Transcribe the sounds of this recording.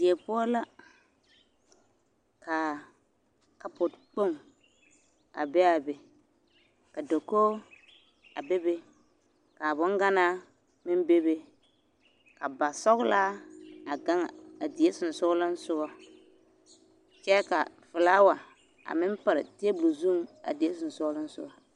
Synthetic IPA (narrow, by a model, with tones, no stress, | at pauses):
di˨e˨pʊ˦ɔ˦la˦ | kʰa˨ | ka˨pʊ˨tk͡po˦˨ŋ | a̰˨bɛ˦a˨be˨ | ka˨do˨koː˦ | a̰˨be˦be˦ | ka˨bʊ˦ŋɡa˦na˦ | mɪ˦m˦be˦be˦ | ka˨ba˨sɔ˦ɣlaː˦a˨ɡa˦ŋa˨a˨di˨e˦sʊ˨n˨sʊ˦lɪ˦n˦sʊ˦ɣɔ˦ | t͡ʃɛ˦ka̰˨ | fɪ˨laː˦wa˨ | a̰˨mɪ˦mpɪ˨ɾɪ̰˨te˦e˦blu˨zu˦ŋa̰˨di˨e˦sʊ˨n˨sʊ˦lɪ˦n˦sʊ̰˦ɡɔ˨